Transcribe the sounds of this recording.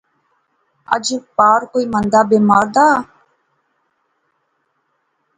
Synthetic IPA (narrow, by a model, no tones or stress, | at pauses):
ə̰d͡ʒpaːɾkoːiːmənd̪aːbeːmaːɾd̪aː